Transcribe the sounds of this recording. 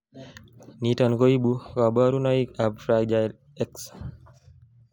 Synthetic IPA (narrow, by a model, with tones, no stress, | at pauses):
ni˦ta˨nko˦i˦bu˦ka˨ba˦ɾu˦nɔ˦i˦ka˨bfɾad͡ʒajl | ɛ˦ks